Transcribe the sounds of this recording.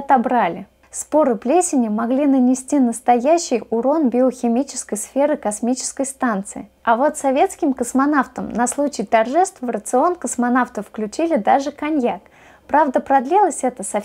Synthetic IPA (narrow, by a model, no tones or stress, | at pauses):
ɐt̪ɐbɾalʲɪ | spo̞ɾɨplʲesʲɪnʲɪmɐɡlʲinənʲɪsʲtʲinəst̪ɐjæɕːɪjʊɾo̞nbʲɪoxʲɪmʲit͡ɕɪ̥skəjsfʲe̞ɾɨkɐsmʲit͡ɕɪ̥skəjst̪ant̪sɨ̰ɪ̰ɐvo̞t̪sɐvʲe̞t̪skʲɪmkəsmɐn̪aft̪əmnɐslˠut͡ɕɪjt̪ɐrʐɛst̪vəɾət̪sɨo̞nkəsmɐnaft̪əfklʲʉt͡ɕilʲɪd̪aʐɨkɐnʲjak | pɾavd̪əpɾɐd̪lʲilˠəsʲɛt̪əsɐ